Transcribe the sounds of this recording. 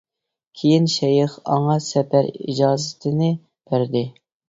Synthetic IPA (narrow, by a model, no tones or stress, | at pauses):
kʲʰejinʃɛjɪχɑ̰ŋɑsɛpæɾḭd͡ʒɑːzɪt̪ʰɪnɪ | b̥æɾd̪ɪ